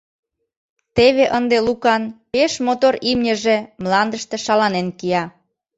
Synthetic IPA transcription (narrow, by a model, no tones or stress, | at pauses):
t̪eβeʔənd̪elukɑnpeʃmot̪oɾimnʲə̆ʒĕmlɑnd̪əʃt̪ĕʃɑlɑnenkiɑ